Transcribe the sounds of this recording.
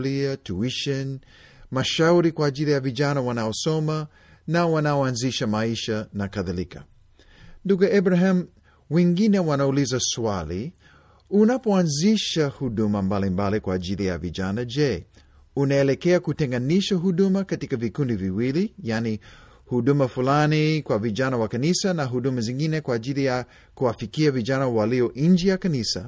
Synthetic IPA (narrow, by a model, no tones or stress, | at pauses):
liatuiʃɛn | maʃauɾikwaːʄilijaviʄanawanaɔsɔma | nawanaɔanziʃamaiʃanakaðalika̰ | nduɡuɛbɾaɦam | wɛŋɡinɛwanaulizaswali | unapɔanziʃahuɗumambalimbalikwaːʄilija̰vḭʄanad͡ʒɛ | unaɛlɛkɛakutɛŋɡaniʃaɦuɗumakatikavikundiviwilijani | huɗumafulanikwaviʄanawakanisanaɦuɗumazĩŋɡinɛkwaːʄilija | kuwafikiaviʄanawaliɔʔɲd͡ʒijakanisa̰